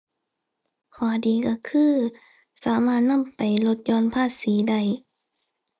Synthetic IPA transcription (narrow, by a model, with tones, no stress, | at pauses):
kʰɔː˨˩˦diː˨˩ka˧˩kʰɯː˧˥˩ | saː˨˩˦maː˧˥˩t̪̚na˧˥˨mpa˨˩jlo˧˦t̪̚jɔː˧˨npʰaː˧˥˩t̪̚siː˨˦da˧˥˩j